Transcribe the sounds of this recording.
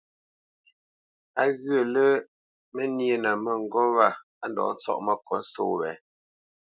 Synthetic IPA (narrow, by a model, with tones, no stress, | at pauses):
a˦ɣɰə˨lə˦ | me˦nje˦˨na˨mə˨ŋ̩˨ɡɔ˦wa˦˨ | a˦ndɔ̰ː˨˦n˦t͡sɔ̰˦˨ʔmə˦kʰɔ˨˦n˦so̰ː˦˨wɛ̰˨˦